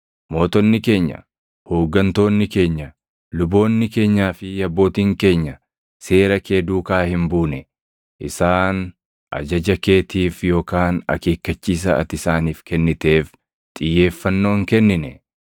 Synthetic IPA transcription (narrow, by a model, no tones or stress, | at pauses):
mo̞ːt̪ɔnːɪke̞ːɲːɐ̰ | ho̞ːɡːɐnt̪o̞ːnːɪke̞ːɲːɐ | lʊbo̞ːnːɪke̞ːɲːaːfɪjɐbːo̞ːt̪iːŋke̞ːɲːɐ | se̞ːɾɐkʰe̞ːd̪uːkaːhɪmbuːnɛ | ʔɪsaːn | ʔɐ̰d͡ʒɐd͡ʒɐke̞ːt̪iːfjo̞ːkaːnɐ̰ke̞ːkːɐt͡ʃːiːs̬ɐɐ̰t̪ɪsaːniːfkɛnːɪt̪e̞ːf | t̪ʼɪjːe̞ːfːɐnːo̞ːŋkɛnːɪnɛ